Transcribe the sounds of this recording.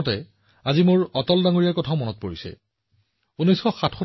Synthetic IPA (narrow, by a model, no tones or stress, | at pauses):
tɛ | azimʊɹɔtɔldaŋoɹijaɹkɔtʰaʊmɔnɔt̚poɹisɛ̰ | unɔjsxɔxatʰxɔ